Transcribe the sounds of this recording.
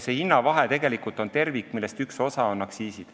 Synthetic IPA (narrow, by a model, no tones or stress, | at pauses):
se̞inːɑvɑɦe̞t̪e̞ɡ̥e̞likult̪o̞nt̪e̞rvikːˑmilːest̪ykso̞sɑo̞nɑksiːsid̪̥